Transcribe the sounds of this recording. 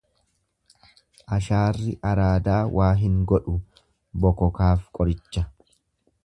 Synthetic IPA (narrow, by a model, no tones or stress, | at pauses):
ʔɐʃaːrːɪʔɐɾaːd̪aːwʔaːɦɪŋɡɔᶑʊ | bɔkɔkaːfkʼɔɾɪt͡ʃːɐ